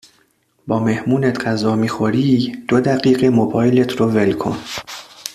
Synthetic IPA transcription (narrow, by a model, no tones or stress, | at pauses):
bɒːme̞hmuːnet̪ʰɢæzɒːmiːxoɾiːd̪̥od̪æɣiːɢemobɒːjlet̪ʰɾove̞lkʰo̰n